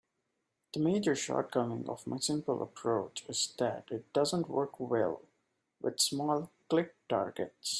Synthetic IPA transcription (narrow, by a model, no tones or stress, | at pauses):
d̪̥əmeːd͡ʒəɾʃɔ̰ːɾʈ̚kʌmɪ̃ŋɔ̰vma̰ɪsɪ̃mpəlʔə̰pʰɾoːt͡ʃɪzd̪æʈɪʈ̚ɖ̥ʌzə̃nʈwəɾkwɛ̰l | wɪd̪smɔːlklɪk̚ʈa̰ːɾɡḛʈs